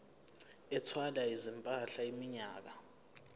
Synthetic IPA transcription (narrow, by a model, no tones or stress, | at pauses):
ɛtʰwalaizimpʼaɬaimiɲaːk̬a